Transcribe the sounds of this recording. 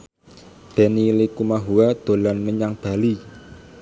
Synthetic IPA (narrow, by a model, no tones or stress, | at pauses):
b̥ɛnilikumaɦuad̪̥o̤lanməɲaŋb̥a̤li